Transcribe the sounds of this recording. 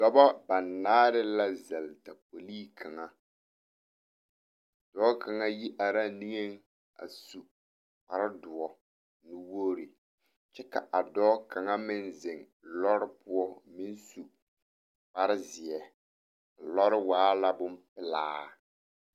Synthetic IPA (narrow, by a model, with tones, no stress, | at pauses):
d̥ɔ˦bɔ˦ba˨nːaː˦ɾɪ˦la˦zɛ˨lta˨p̚o˨liː˦kʰa˨ŋa˦˨ | d̥ɔː˦ka˨ŋa˦ji˦ʔa˨ɾa˦ni˦ŋe˦ŋ | a̰˨su˨ | pa˦ɾɪ˦dʊ˨ɔ˨ | nu˦wo˦ɾi˨ | t͡ʃɛ˦ka̰˨ʔa˨dɔː˦ka˨ŋa˦mɪ˦nzɪ˨ŋ | lɔ˦ɾɪ˦pʊ˦ɔ˦mɪ˦n˦su˨ | pa˦ɾɪ˦zɪ˨ɛ˨ | a˨lɔ˦ɾɪ˦waː˨˦la˦bʊ˦mpɪ˦la̰ː˦